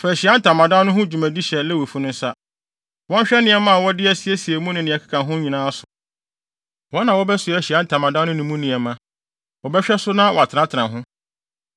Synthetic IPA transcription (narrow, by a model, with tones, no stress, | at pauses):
fɛ˨æ˨ɕi˨a˦n̩˦tʰã˨mã˨dã˦nʊ̃˦ɦʊ̃˦d͡ʑu˨mæ̃˨di˦ɕɛ˨lɛ˦wo˨fu˦nʊ̃˦n̩˦sa˦ | wɔ̃˦ɲ˦ɕᶣɛ˦nɪ̃˨ɛ˨mã˦a˨wɔ˦dɪ˦ɛ˦sɪ˨ɛ˦si˨e˨mũ˦nɪ̃˨nɪ̃˨ɛ˨kʰḁ˦kʰã˨ɦʊ̃˦ɲĩ˨nãː˦a˦sʊ̥˨ | wɔ˦nã˨wɔ˦bɛ˦sʊ˨ɛ˨ɕi˨a˦n̩˦tʰã˨mã˨dã˦nʊ̃˦nʊ̃˨mũ˦nɪ̃˨ɛ˨mã˨ | wɔ˨bɛ˦ɕᶣɛ˦sʊ˦nã˦wɔ˨a˨tʰɪ˨nã˦tʰɪ˨ɾã˨ɦʊ̃˦